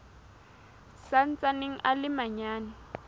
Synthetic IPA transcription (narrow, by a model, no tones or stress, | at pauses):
san̩t͡saneŋ̩ʔalɪmaɲaːna